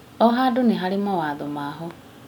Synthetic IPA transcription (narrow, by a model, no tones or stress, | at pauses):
ɔɦadʊneɦaɾimawaðomaːɦɔ